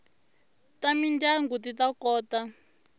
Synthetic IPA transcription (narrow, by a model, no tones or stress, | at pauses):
tamindaŋɡutitakɔːta